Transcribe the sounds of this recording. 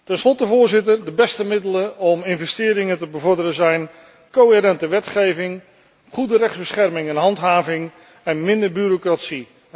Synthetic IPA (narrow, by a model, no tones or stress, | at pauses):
tɛnslɔtəvʊːɹzɪtəɹdəbɛstəmɪdələɔmɪnvɛstɪːɾɪŋətəbəvɔɹdərəzɛjn | kowɦɪɾɛntəʋɛtχejvɪŋ | χudərɛχzbəsχɛrmɪŋɛnɦɑntɦaːvɪŋ | ɛnmɪndəɹbyɾokratsi